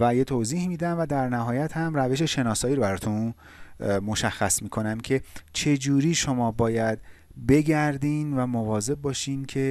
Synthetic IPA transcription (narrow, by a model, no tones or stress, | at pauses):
væjet̪ʰoːziːhmiːd̪æmvæd̪æɾnæɦɒːjæt̪hæmɾæve̞ʃ̬e̞ʃe̞nɒːsɒːiːɾobæɾɒːt̪ʰun | mo̞ʃæxːæsmiːkʰo̞næmcʰe̞t͡ʃʰe̞d͡ʒuːɾiːʃo̞mɒːbɒːjæd̪ | be̞ɟæɾd̪iːnvæmovɒːze̞b̚bːɒːʃiːncʰe̞